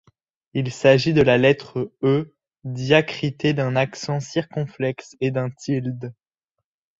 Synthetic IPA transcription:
ilsaʒid̪əlalɛt̪χəø | d̪jakχit̪ed̪ɛ̃naksɑ̃siʁkɔ̃flɛksed̪ɛ̃t̪ild̪

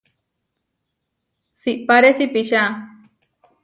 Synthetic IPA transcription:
siʔpaɾesipiɕa

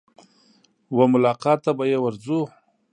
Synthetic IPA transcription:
wamʊlɑqɑt̪ːabajewaɾzu

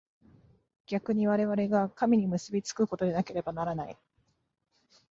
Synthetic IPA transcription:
ɡ̥ʲakɯ̟ɲ̟iβaɾe̞β̞aɾe̞ɡakamʲiɲ̟imɯ̟sɨbʲit͡sɨ̥kɯ̟ko̞t̪o̞d̪e̞nake̞ɾe̞banaɾanaḭ

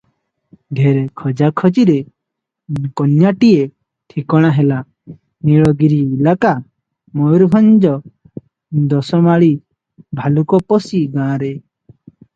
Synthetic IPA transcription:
d̪ʱeɾekʰɔd͡ʒakʰɔd͡ʒiɾe | kɔnjaʈije | ʈ̪ʰikɔɽ̃aɦela | niɭɔɡiɾiːlaka | mɔjɾbʱɔnd͡ʒɔ | d̪ɔsɔmaɭi | bʱalukɔpɔsiɡãːɾe

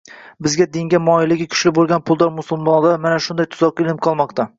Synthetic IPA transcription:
bɪzɡʲad̪ɪŋɡʲamɒɪlɪɡʲɪkʲʰʊ̥ʃlɪbolˠɡʲanpʰʊlˠd̪ɒɾmʊsʊlˠmɒnd̪amanaʃʊnd̪ajt̪ʰʊ̥zɒqɪlɪmqʰɒlˠmɒqt̪ʰa

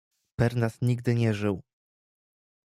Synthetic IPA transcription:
pɛɾnasɲiɡd̪ɘɲɛʐɘw

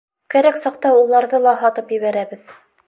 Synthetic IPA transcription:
kæɾæksɑqt̪ɑulˠɑɾðɤlˠɑɦɑt̪ɤpjɘ̆βæɾæβɘð

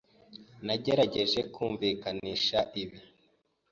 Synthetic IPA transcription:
naɟe̞ɾaɟe̞ʒe̞kʰuːɱviːkaniːʃaʔiβi

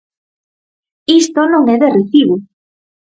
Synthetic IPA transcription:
ist̪onõŋɛðereθiβu

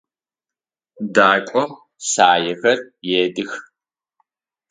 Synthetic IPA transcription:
daːkʷʼɔm | saːjɛxɐrjeːdɨx

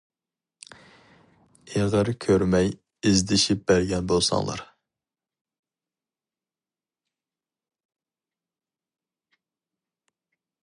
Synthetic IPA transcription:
eʁɑɾɨkʲʰøɾmɛj | izd̪ɪʃip̚b̥æɾɡʲɛnbolˠsɑ̰ŋlˠɑ̰ɾ

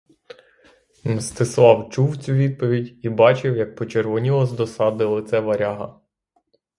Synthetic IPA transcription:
mst̪ɪslˠɑwt͡ʃuwt͡sʲuʋʲid̪̚pɔʋʲidʲibɑt͡ʃɪwjɐk̚pɔt͡ʃerʋɔnʲilˠɔzd̪ɔsɑd̪ɪlˠɪt̪sɛʋɐɾʲɑɦɐ̰

